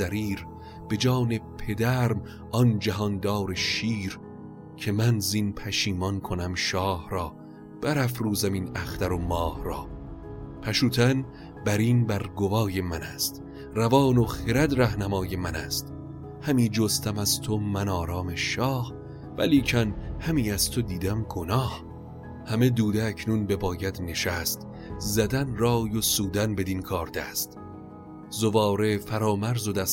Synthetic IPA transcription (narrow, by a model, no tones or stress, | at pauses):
æɾiːɾ | b̥e̞d͡ʒɒːne̞pʰe̞d̪æɾm | ɒnd͡ʒæɦɒnd̪ɒːɾeʃiːɾ | cʰe̞mænzinpʰæʃiːmɒnkʰonæmʃɒːhɾɒː | b̥æɾæfɾuːzæmiːnæxt̪æɾomɒːhɾɒː | pʰæʃuːt̪ʰæn | bæɾiːnbæɾɡovɒːje̞mænæst̪ | rævɒːnoxeɾæd̪ɾæhnæmɒːjemænæst̪ | hæmiːd͡ʒost̪ʰæmæzt̪ʰomænɒːɾɒːmeʃɒːh | væ̰liːcʰænhæmiːæz̥t̪ʰod̪iːd̪æmɡonɒːh | hæme̞d̪uːd̪eːcʰnuːnbe̞bɒːjæd̪ne̞ʃæst̪ | zæd̪ænrɒːjosuːd̪ænbe̞d̪inkʰɒːɾd̪̥æst̪ | zovɒːɾe̞fæɾɒːmæɾzod̪æs